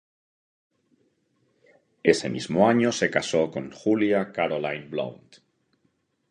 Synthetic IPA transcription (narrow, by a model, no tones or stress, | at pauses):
ese̞̰mḭzmoaɲose̞kasokoŋxuljakaɾolajnblo̰wnt̪